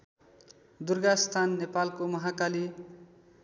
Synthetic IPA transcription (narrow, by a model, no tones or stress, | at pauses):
d̪urɡast̪ʰanːepalkomʌɦakali